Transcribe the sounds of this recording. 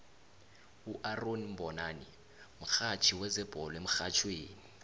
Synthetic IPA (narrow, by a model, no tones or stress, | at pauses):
uʔaronim̩bɔnaːni | m̩xat͡ʃʰiwɛzɛb̥ʱɔlɔem̩xat͡ʃʰweːni